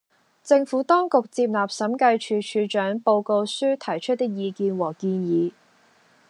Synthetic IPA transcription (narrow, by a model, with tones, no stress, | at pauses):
t͡sɪ˧ŋfuː˨˥t̪ɔː˥ŋkʊ˨k̚t͡siː˧p̚laː˨p̚sɐ˨˥mkɐ˧jt͡ʃʰyː˨˧t͡ʃʰyː˨˧t͡ʃœː˨˥ŋpo˧wko˧wsyː˥t̪ʰɐ˨˩jt͡ʃʰɵ˥t̪̚ːɪ˥k̚jiː˨˧kiː˧nwɔː˨˩kiː˧njiː˨˧